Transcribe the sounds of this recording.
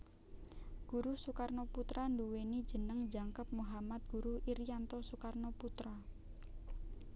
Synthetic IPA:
ɡ̥uɾusukarnoput̪ɾanduweni̥d͡ʒə̤nəŋd͡ʒaŋkəp̚muɦamat̪̚ɡ̥uɾuiɾijant̪ɔsukarnoput̪ɾa

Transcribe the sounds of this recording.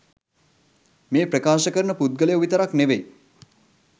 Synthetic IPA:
meːpɾəkaːʃəkəɾnəpud̪̚ɡəlejuʋit̪əɾakneʋej

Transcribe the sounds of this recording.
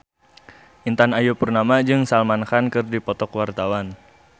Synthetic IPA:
ʔint̪anajupurnamad͡ʒɨŋsalmankankɨrdipɔt̪ɔkwart̪awan

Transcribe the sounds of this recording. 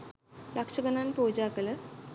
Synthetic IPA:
lɐkʂɐɡənanpuːd͡ʒaːkələ

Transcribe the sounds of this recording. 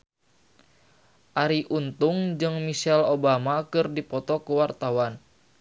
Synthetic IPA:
ʔaɾiʔunt̪uŋd͡ʒɨŋmisɛlobamakɨrdipɔt̪ɔkuwart̪awan

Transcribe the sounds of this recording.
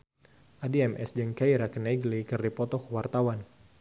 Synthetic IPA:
ʔadiɛmʔɛ̰sd͡ʒəŋkaiɾakənɛɡlikɨrdipɔt̪ɔkwart̪awan

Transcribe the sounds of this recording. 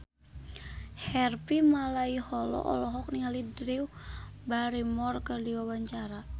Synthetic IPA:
hɛrpimalaihɔlɔ̰ʔɔ̰lɔɦɔk̚niŋalidɾiwbaɾimɔrkərdiwawaɲt͡ʃaɾa

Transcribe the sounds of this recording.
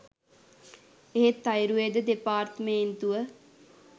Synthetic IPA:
eɦet̪ːɐjɾued̪əd̪epaːɾt̪əment̪uʋə

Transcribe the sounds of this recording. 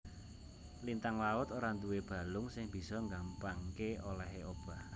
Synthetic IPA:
lint̪aŋlaʊt̪oɾant̪uweb̥a̤lʊŋsɪŋb̥i̤sɔŋɡampaŋkeolɛɦeʔob̥a̤

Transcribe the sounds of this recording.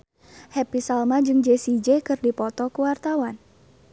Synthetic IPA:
hɛpisalmad͡ʒɨŋd͡ʒesid͡ʒekɨrdipɔt̪ɔkuwart̪awan

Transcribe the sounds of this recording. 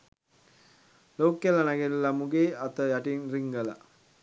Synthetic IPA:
loːkːəlanaɡeɾilamuɡeːat̪əjaʈinriŋɡəla̰

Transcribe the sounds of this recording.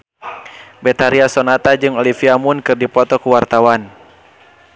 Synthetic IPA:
bɛt̪aɾiasɔnat̪ad͡ʒɨŋɔlifiamunkɨrdipɔt̪ɔkuwart̪awan

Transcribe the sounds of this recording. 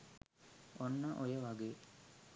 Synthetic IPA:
onːəʔojəʋaɡeː

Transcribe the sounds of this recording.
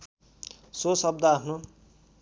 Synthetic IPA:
sosʌb̚d̪ʌapʰno

